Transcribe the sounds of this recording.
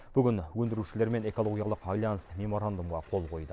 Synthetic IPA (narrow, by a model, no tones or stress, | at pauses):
b̥ʏɡʲɪnwɵnd̪ɪɾuʃɪle̞ɾme̞ne̞ko̞lˠo̞ɡʲijalˠəqɑjlˠɑnəsme̞mo̞ɾand̪umʁɑqʰo̞lˠqʰo̞jd̪ə